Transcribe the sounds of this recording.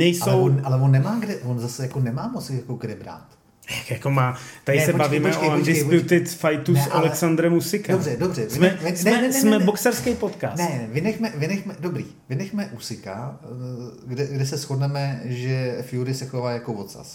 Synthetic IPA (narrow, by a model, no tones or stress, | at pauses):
nɛjsaoɛwnalɛvonːɛmaːɡdɛvonzasɛjakonɛmaːmot͡sjakoɡdɛbɾa̰ːt̪ | jakjakomaːt̪adɪssɛbaviːmɛʔoandɪspjut̪ɪt̪fajt̪usolɛksand̪ɾɛmusɪkaobrɛdobrɛvsɪmɛɪsmɛsmɛboksɛɾskɛjpo̞t̪ka̰ːsnɛvɪnɛxmɛvɪnɛxmɛdobɾḭːvɪnɛxmɛʔusɪka | ɡdɛɡdɛsɛsxodnɛmɛʒɛfjuɾɪsɛxovaːjakovot̪sa̰s